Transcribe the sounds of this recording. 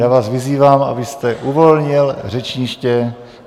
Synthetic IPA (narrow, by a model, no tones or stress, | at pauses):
jaːvaːsvɪziːvaːma̰bɪst̪ɛʔuvo̞lɲɪlr̝ɛt͡ʃɲɪʃcɛ